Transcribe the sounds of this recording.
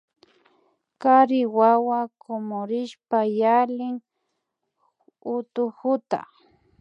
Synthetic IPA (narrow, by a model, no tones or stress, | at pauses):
kaɾɪwawakomoɾɪʃpajalɪŋ | ʊt̪ʊhʊt̪a̰